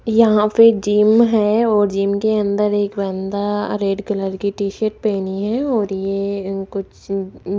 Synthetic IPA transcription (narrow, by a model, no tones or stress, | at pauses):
jɐɦãpɪd͡ʒiːmɦɛɔːɾd͡ʒiːmkeə̃nd̪əɾeːkbɛ̃ːnd̪aɾeːɖkələɾkiʈiːʃəɾʈ̚peːniɦɛɔːɾjekʊt͡ʃʰ